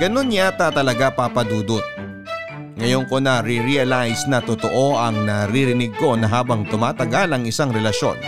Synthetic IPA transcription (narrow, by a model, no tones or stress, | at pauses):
ɡ̥ɐno̞njat̪at̪ɐlɐɡapapɐd̪uːd̪ot̪̚ | ŋɐjoŋko̞nɐɾiɾiɐlajsnɐt̪ot̪o̞ʔo̞ʔɐŋnɐɾiɾɪnɪɡ̚ko̞nɐɦaːbɐŋt̪ʊmaːt̪ɐɡalɐŋɪsaŋɾɛlɐʃo̞̰n